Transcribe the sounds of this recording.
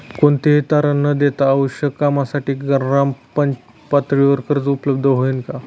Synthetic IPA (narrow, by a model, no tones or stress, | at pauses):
koɳt̪eɦt̪aɾənːəd̪et̪aːʋəɕjəkːamasaʈiːɡəɾːãmpənt͡ɕ | pat̪ɾiʋəɾkəɾd͡zupləbd̪ʱəɦoinka